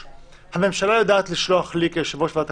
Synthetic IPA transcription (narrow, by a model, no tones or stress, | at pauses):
hame̞mʃalajadaːt̪liʃloaχlikeʃavoʃvat̪a